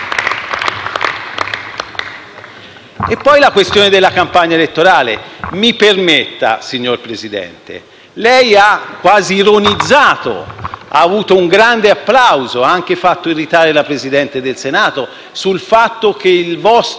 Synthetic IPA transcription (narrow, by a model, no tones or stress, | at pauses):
epːɔjlakwest̪joːned̪elːakampaɲːaelet̪ːoɾaːlemipermet̪ːa̰siɲːorpɾezid̪ɛ̰nt̪ḛ | lɛjakːwaːziːɾonid̪zːaːt̪o̰a̰ːvuːt̪ouŋɡɾand̪eapːlawzoaaŋk̟efat̪ːoirːit̪aːɾelapɾezid̪ɛnt̪ed̪elsenaːt̪o | sulfat̪ːok̟eilvɔs